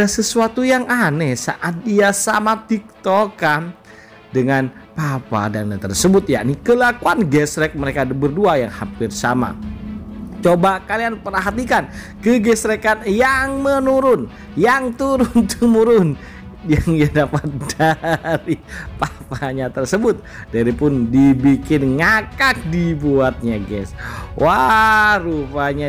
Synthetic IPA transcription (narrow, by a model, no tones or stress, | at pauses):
asəsuat̪ujaŋanɛsa̰ʔat̪̚diasa̰mat̪ik̚t̪okan | dəŋan | papa̰danɲat̪ərsəbʊt̪̚jaʔnikəlakuanɡɛsɾɛk̚məɾekabərduajaŋhapɪrsama̰ | t͡ʃobakalianpəɾaɦat̪ikan | kəɡɛsɾɛkanjaŋmənuɾʊn | jaŋt̪uɾʊnt̪əmuɾʊn | jaŋiadapat̪̚d̥aɾipapaɲat̪ərsəbʊt̪̚ | d̥aɾipʊndibikɪnŋakak̚dibuat̪̚ɲaɡɛ̰swʔarupaɲa